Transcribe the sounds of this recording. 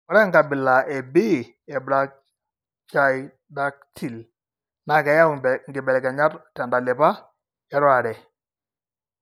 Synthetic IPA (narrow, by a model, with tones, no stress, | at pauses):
ɔ˨˦ɾɛ˦ŋɡa˨bɪ˨la˨ʔɛ˨bɪ˦ | ɛ˨bɾa˨ | t͡ʃa˨j | da˦k̚tʰi˨l | na˨kɛ˨˦ja˦wŋɡɪ˨bɛ˨lɛ˨kɛ˨ɲa˦ɾtɛ˨nda˨lɪ˨pa˦ | ɛ˦ɾɔ˦a˨ɾɛ˨